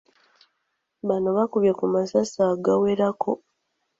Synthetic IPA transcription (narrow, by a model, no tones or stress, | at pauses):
βano̞βakuβjakumasasaːɡaweɾakʰo̞